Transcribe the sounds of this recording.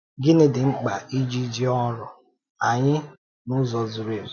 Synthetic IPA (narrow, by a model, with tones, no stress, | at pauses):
ɡɪ˦nɪ˦dɪ˨ŋ͡m̩˦k͡pa˨ʔi˦d͡ʒi˦d͡ʒi˦ɔ˦ɾɔ˨ | a˨ɲɪ˦ | nʊ˦zɔ˨zʊ˨ɾe˨